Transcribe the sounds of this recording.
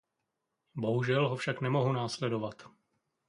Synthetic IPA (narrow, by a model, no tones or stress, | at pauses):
bo̞ɦuʒɛlɦofʃaknɛmo̞ɦunaːslɛdo̞vat̪